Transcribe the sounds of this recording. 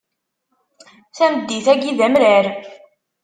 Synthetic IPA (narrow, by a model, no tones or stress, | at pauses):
θæməd̪ːiθæɡiðæmɾæɾ